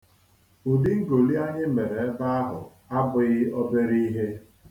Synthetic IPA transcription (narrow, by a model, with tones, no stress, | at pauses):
u˨di˦ŋ̩˦ɡo˨li˦a˦ɲɪ˦m̩˦me˨ɾe˨e˦ba˦a˦ɦʊ̰˨ | a˦bʊ˨ɣɪ˦ɔ˦be˦ɾi˦ɦe˦